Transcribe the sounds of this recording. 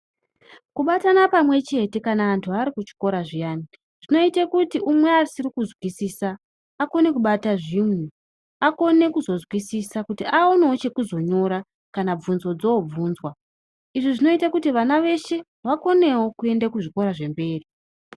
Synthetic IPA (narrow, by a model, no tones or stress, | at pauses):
kuɓatanapamwe̞t͡ʃe̞te̞kanaːntʰuaɾikut͡ʃi̥ko̞ɾaʐijaːni | ʐ̥ino̞itekutiʔumwe̞arisirikuzwisiːsaː | ko̞ne̞kuɓataʐimnu | ako̞ne̞kuzo̞zwisisakutiʔaoneot͡ʃe̞kuzo̞ɲo̞ɾa | kanab͡vunzo̞d͡zoob͡vuːnzwa | iʐiʐino̞itakutiʋanaʋe̞ʃe̞ | ʋako̞ne̞wo̞kue̞ndakuʐiko̞ɾaʐe̞mbe̞ːri